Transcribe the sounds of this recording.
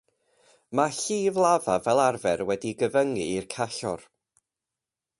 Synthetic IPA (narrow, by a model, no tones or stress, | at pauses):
maɬiːvlˠavavɛlˠarvɛrwɛdiɡəvəŋɨːrkʰaɬɔ̰r